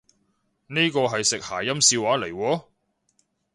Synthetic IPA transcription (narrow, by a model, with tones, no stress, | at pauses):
ne˥jkɔː˧ɦɐ˨jsɪ˨k̚haː˨˩jɐ˥msiː˧waː˨˥le˨˩jwɔː˨˥